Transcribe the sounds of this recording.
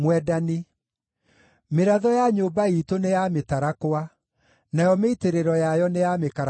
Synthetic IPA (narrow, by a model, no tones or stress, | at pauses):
mwɛdani | meɾaðɔjaɲoːbaitonejametaɾakoa | najɔmeiteɾeɾɔjajɔnejamekaɾ